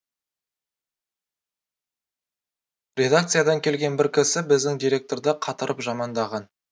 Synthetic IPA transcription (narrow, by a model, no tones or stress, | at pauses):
rʲe̞d̪ak̚t̪sɨjad̪ɑŋkʲʰe̞lɡʲe̞nbɪɾkʲɪsɪbɪzd̪ɪŋd̪ijɾʲe̞k̚t̪o̞ɾd̪əqʰɑt̪əɾʔəpʒɑmɑnd̪ɑʁɑn